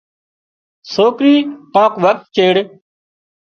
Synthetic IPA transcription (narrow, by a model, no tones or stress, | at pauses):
soːkɾiːkãːkʋək̚t̪̚t͡ʃeːɽ